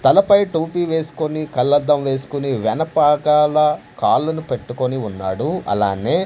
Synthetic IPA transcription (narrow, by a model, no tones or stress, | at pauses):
t̪ɐlɐpɐjʈuːpiːʋe̞ːsu̥konikɐlːɐd̪ːɐmʋe̞ːsu̥kuniʋɛnɐpaːkaːlɐkaːlːɐnupe̞ʈːukoniunːa̰ːɽuɐ̰la̰ːne̞ː